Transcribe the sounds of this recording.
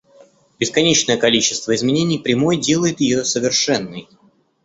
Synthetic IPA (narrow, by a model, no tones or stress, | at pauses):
b̥ʲɪskɐnʲet͡ɕnəjəkɐlʲit͡ɕːɪ̥st̪vəɪzmʲɪnʲenʲɪjpɾʲɪmo̞jdʲe̞lˠəjɪt̪jɪjosəvʲɪrʂɛnːɨj